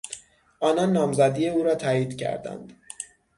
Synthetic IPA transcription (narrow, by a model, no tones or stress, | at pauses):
ʔɒːnɒnːɒːmzæd̪iːjeuːɾɒːt̪ʰæːiːd̪cʰæ̰ɾd̪æ̰nd̪̥